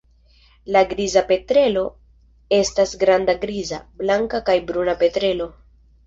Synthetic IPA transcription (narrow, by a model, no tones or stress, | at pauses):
laɡɾizape̞tɾe̞lo̞ | e̞stasɡɾandaɡɾiza̰blaŋkakajbɾunape̞tɾe̞lo̞